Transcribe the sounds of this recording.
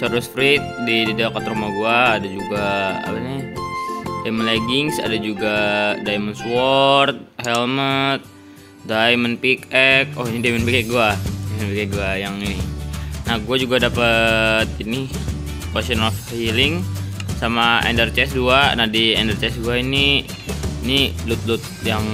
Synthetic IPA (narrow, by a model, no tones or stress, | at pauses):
saɾusfɾit̪̚dididakat̪ɾumaɡuaːdad͡ʒuɡaa̰pana | dajmənleɡɪŋsa̰dad͡ʒuɡadajmənswɔrt̪̚hɛlmət̪̚ | dajmənpikɛk̚ɔiɲidajmənpikɛk̚ɡuaamənpikɛk̚ɡuajaŋininaɡuad͡ʒuɡadapət̪̚ini | kasənɔfhilɪŋsamaɛ̰ndərt͡ʃɛsduanadiɛndərt͡ʃɛsduaini | nilut̪̚lut̪̚jaŋ